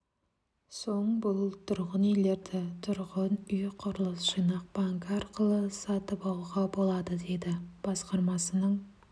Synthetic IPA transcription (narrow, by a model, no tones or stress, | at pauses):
so̞ɴbʊlˠt̪ʰʊɾʁənejle̞ɾd̪ɪt̪ʰʊɾʁənʏjqʰʊɾəlˠəsʒ̥ijnɑq̚b̥ɑŋkɑɾqəlˠəsɑt̪əpɑlˠuʁɑbo̞lˠɑd̪əd̪e̞d̪ɪb̥ɑsqɑɾmɑsənəɴ